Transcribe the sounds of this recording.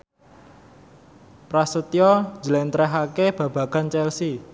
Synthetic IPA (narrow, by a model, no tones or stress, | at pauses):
pɾasət̪ijɔ̥d͡ʒəlɛnt̪ɾɛɦakeb̥a̤b̥a̤ɡ̥a̤nt͡ʃɛlsi